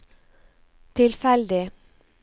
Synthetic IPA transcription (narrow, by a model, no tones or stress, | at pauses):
t̪ʰɪlfɛld̪ɪ